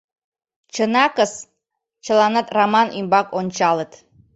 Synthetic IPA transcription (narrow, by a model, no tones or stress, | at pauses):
t͡ɕənɑkəs | t͡ɕə̆lɑnət̪rɑmɑnʔymbɑkonʲt͡ɕɑlət̪